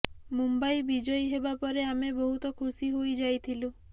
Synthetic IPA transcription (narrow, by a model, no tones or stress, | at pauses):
mumbajbid͡ʒɔjɦebapɔɾeamebɔɦut̪ɔkʰusiɦojd͡ʒajt̪ʰilu